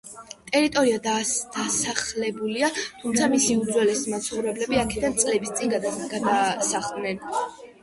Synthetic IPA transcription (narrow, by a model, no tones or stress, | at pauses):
t̪ʼɛɾit̪ʼɔɾiad̪ad̪asaχlɛbuliat̪ʰumt̪sʰamisiud̪zwɛlɛsmat̪sʰχɔvɾɛblɛbiakʰɛd̪ant̪sʼlɛbist̪sʼinɡɡad̪asaχd̪nɛn